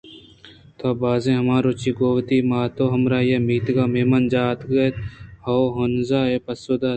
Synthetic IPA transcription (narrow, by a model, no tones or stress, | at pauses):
t̪ʰaːbaːzẽːɦɐmaːɾoːt͡ʃiːɡoːʋt̪iːmaːt̪oːɦɐmɾaːjemiːt̪ɡaːmeːmɐnd͡ʒaːt̪ɡɐt̪hɐɦonzaːeːpɐsoːd̪aː